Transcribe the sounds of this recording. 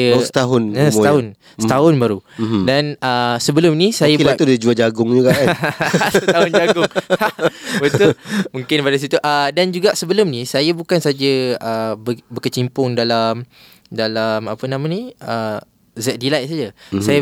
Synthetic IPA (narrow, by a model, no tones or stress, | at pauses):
jəsət̪aɦʊnəsət̪aɦʊn | sət̪aɦʊnbaɾudanəsəbəlʊmnĩsajabaudaid͡ʒuad͡ʒaɡʊŋd͡ʒuɡa | ssət̪aɦʊnd͡ʒaɡʊŋ | bət̪ʊmũŋkɪnpadas̬it̪uʔədand͡ʒuɡaʔsəbəlʊmnisajabukansad͡ʒəəbəbəkət͡ʃimpʊŋdalam | dalamapənãmãniə | zɛʔ̚dilajʔsad͡ʒasaja